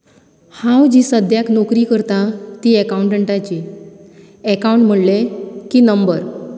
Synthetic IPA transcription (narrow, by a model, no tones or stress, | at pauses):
hãwd͡ʑiːsəd̪ʱjaknokɾiːkəɾt̪at̪iekauɳʈəɳʈat͡ɕi | ekauɳʈm̤əɽlekiːnəmbəɾ